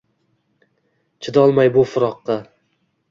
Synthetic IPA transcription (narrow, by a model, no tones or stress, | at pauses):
t͡ʃʰɪd̪ɒlˠmajbʊfʊɾɒqːɑ